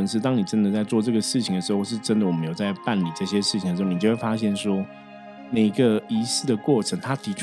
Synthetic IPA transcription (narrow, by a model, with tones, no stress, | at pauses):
ŋʂ̬ɻ̩˥˧t̪̬ɑ˥ŋni˨˩ʈ͡ʂə˦˥nd̪ə˨t͡sa˥˧ɪt͡swɔ˥˧ʈ͡ʂɤ˥˩ɡə˩ʂɻ̩˥˩t͡ɕʰi˨˩ŋd̪ə˩ʂɻ̩˧˥xo˥˧ʊʂɻ̩˥˩ʈ͡ʂə˥nd̪ə˨wɔ˨˩mə˦jo˨˩ʊt͡sa˥˧ɪpa˥˩nli˨˩ʈ͡ʂɤ˥˩ɕjɛ˥ʂɻ̩˥˩t͡ɕʰi˨ŋd̪ə˩ʂɻ̩˧˥o˥˩ni˨t͡ɕo˥˧we˥˩fa˥ɕjɛ˥˩nʂwɔ˥ | ne˨˩˦ɡə˧i˧˥sɹ̩˥˩d̪ə˩kwɔ˥˩ʈ͡ʂʰə˧˥ŋt̪ʰa˥t̪ʰi˧˥ʈ͡ʂʰ